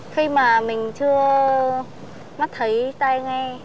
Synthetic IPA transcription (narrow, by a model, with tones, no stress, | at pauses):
xi˧maː˨˩mï˨˩ŋ̟t͡ɕɨ˧ə | ma˦˥t̚t̪ʰə˨˦jt̪aː˧jŋa˧